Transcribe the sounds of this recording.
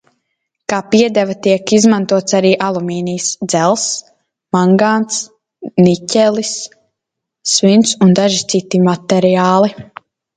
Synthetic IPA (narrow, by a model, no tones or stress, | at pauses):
kaːpiɛd̪ɛvat̪iɛkizmant̪uɔt̪saɾiːʔalˠumiːnijsd̪z̥ɛlˠs | maŋɡant̪s | nicʲɛlˠis | vint̪sund̪aʒit̪sit̪imat̪ɛɾiaːlˠi